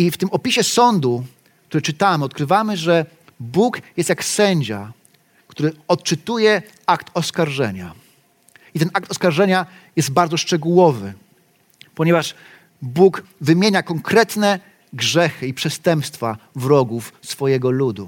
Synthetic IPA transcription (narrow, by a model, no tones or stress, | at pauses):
ift̪ɘmɔpʲiɕɛsɔnd̪u | k̚t̪uɾɛt͡ʂɘt̪amɘɔt̪kɾɘvamɘʐɛ | bukjɛst̪jaksɛɲd͡ʑa | kt̪uɾɘɔt̪t͡ʂɘt̪ujɛ | akt̪ɔskaɾʐɛ̰ɲa̰ | it̪ɛnʔak̚t̪ɔskaɾʐɛɲa | jɛsd̪̚baɾd̪zɔʂt͡ʂɛɡuwɔvɘ | pɔɲɛvaʂ | bukvɘmʲjeɲakɔŋkɾɛt̪nɛ | ɡʐɛxɘipʂɛst̪ɛmpst̪favɾɔɡufsfɔjɛɡɔlud̪ṵ